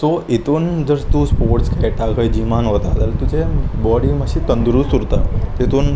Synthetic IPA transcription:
soit̪und͡ʒəɾst̪uspoːɾʈskeʈaɡəjd͡ʑimanʋət̪a̰ːd̪əlt̪ud͡ʒebɔɽiməʃit̪ənd̪ɾusuɾt̪a̰t̪et̪un

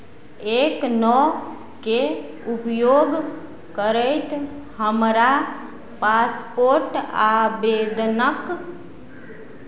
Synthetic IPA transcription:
eknɔ | ke | upjoɡ | kəɾəɪt̪ | həmɾa | paspoɾʈabed̪nək

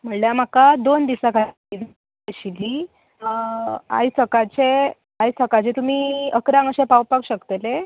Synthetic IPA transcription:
m̤əɳljam̤akad̪ond̪isakʰa | id̪ | ɕili | a̰jsəkat͡ɕe | ajt͡sʰəkat͡ɕet̪um̤iːəkɾãŋɡəɕẽpawpakɕəkt̪ele

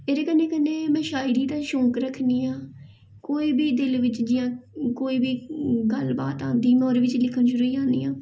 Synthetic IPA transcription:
eːɾeːkənːẽːkənːeːmɛ̃ːʃaːiɾiːt̪ãːʃõːkɾəkʰniːãː | koːiːbiːd̪ɪlʋɪt͡ʃd͡ʒɪjãːkoːiːbiːɡəlba̰ːt̪ãːd̪iːmɔːɾːʋɪt͡ʃlɪkʰənʃʊɾuːiːd͡ʒãːnd̪ḭːãː

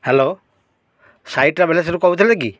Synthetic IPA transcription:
helo | sajʈɾabɛles̬eɾukɔwut̪ʰileɡi

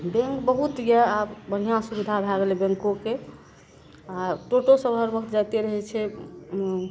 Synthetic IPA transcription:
bẽŋkbəɦut̪jɛabəɽ̤ijãsubid̪ʱabʱaɡelebẽŋkoke | aʈoʈosəbʱəɾbəkʰt̪d͡ʒajt̪eɾəɦɛt͡ʃʰɛ

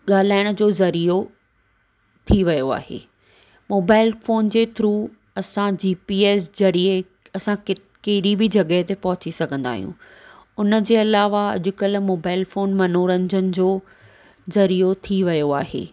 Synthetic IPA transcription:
ɠaːl̤aːɪɽ̃ə̆d͡ʑoːzɐɾiːɾo | t̪ʰiʋɐjoa̰ːɦḛː | moːbaːɪlfoːnd͡ʑeːt̪ʰɾuː | ɐsãd͡ʑiːpiːeːsd͡ʑɐɾie | ɐsãkɪ | keɦɪɗibʱɪd͡ʑɐɠəɦt̪epɐɦʊt͡ɕisɐɡʱə̃nd̪a̰ːɦijṵ̃ | ʊnəd͡ʑeːɐlaːʋaɐ̰ʄʊkəlmoːbaːɪlfoːnmɐnoːɾɐ̃ɲɪd͡ʑənɪ̆d͡ʑoː | zɐɾiːɾot̪ʰiʋɐjoaːɦḛː

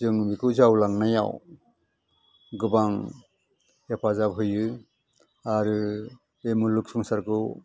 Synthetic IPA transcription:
zɯŋmikʰɯwzawlaŋnaja̰w | ɡɯbaŋ | japʰazap̚ɦɯjɯ | aɾɯ | emuluk̚sɯŋsaɾkɯw

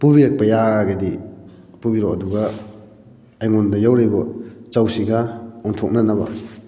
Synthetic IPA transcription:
pubiɾak̚pajaɡadi | pubiɾɔɐduɡa | jŋundɐjawɾajbɔt͡ʃawsiɡaɔŋtʰok̚nanaba̰

